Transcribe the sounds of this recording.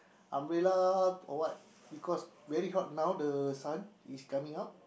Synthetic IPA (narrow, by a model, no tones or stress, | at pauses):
ʔãmɹelaɔ̰wat̚ | bikʰɔsvɛɹiɦat̚nawdəsãniskamĩŋat̚